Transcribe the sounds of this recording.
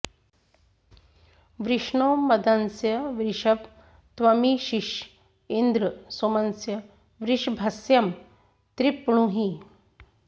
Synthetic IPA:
ʋɾiʂɳoːmbɐd̪ansjɐʋɾiʂɐʋ | t̪ʋɐmiɕiʂ | ind̪ɾəsomansjɐ | ʋɾiʂbʱɐsjɐm | t̪ɾipɳuɦi

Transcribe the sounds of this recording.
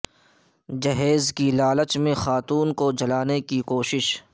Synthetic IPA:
d͡ʒɐɦeːzkilaːlət͡ʃmẽxaːt̪uːnkod͡ʒɐlaːnekikoːʃɪʃ

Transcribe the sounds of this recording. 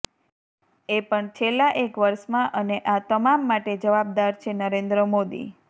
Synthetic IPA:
epəɳt͡ʃʰelːaʔekʋəɾʃmãʔəneʔat̪əmamːaʈed͡ʒəʋab̚d̪aɾt͡ʃʰenəɾend̪ɾəmod̪ḭ

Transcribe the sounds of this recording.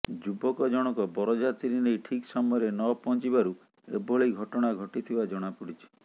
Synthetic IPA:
d͡ʒubɔkɔd͡ʒɔɽ̃ɔkɔbɔɾɔd͡ʒat̪iɾinejʈʰiksɔmɔjɔɾenɔpɔnt͡ʃibaɾu | ḛboɭejɡʱɔʈɔɽ̃aɡʱɔʈit̪ʰibad͡ʒɔɽ̃apuɽit͡ʃʰi̥

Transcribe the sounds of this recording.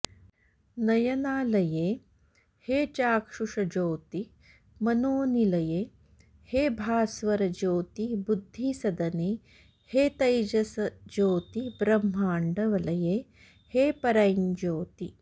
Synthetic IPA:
nɐjɐnaːlɐjeː | heːt͡ʃaːkʂuʂɐd͡ʒoːt̪i | mɐnoːnilɐjeː | heːbʱaːsʋɐɾɐd͡ʒoːt̪ibud̪ʱːisɐd̪ɐneː | heːt̪ɐjd͡ʒɐsɐd͡ʒoːt̪ibɾɐmːaːɳɖɐʋɐlɐjeː | heːpɐɾɐjnd͡ʒoːt̪i

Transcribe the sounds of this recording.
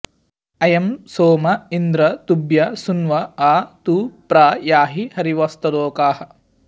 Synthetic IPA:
ɐjɐmsoːmɐind̪ɾɐt̪ubjɐsunʋɐaːt̪uːpɾaːjaːɦihɐɾiʋɐst̪ɐd̪oːkaːhɐ

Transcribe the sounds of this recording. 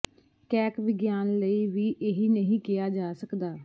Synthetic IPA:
kɛːkʋɪɡjaːnləiːʋiːʔeɦiːnəɦĩːkɪjaːd͡ʒaːsəkd̪aː

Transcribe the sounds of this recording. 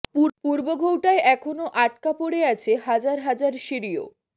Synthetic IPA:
pupuɾboɡʱowʈaeʔɛkʰonoʔaʈ̚kapoɽeat͡ɕʰeɦad͡ʑaɾɦad͡ʑaɾʃiɾio̰

